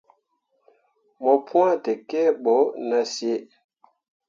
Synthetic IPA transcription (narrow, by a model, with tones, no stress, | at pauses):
mɔ˨pʰũ˦ã˦tɛ˨kɛ˦ɓɔ˨˦na˦sje˦